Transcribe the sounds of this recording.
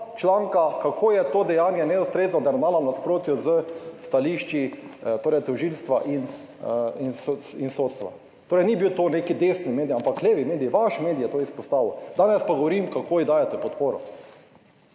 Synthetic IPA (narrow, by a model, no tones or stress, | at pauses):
t͡ʃlaːŋkakakʰoːjɛt̪oːd̪ɛjaːnjɛnɛust̪ɾeːznɔd̪ɛɾmaːlanaspɾoːt̪juzəst̪aliʃt͡ʃit̪oːɾɛjt̪ɔʒilst̪ʋaʔin | insoinsoːt̪st̪ʋa̰ | t̪oːɾɛjnibiwt̪oːnekid̪esnimeːd̪iampakleʋimeːd̪ijʋaʃmeːd̪ijɛt̪oːispɔst̪aːʋud̪aːnɛspaɡɔʋɔɾimkakʰoːjid̪aːjɛt̪ɛpɔt̪poːɾɔ̰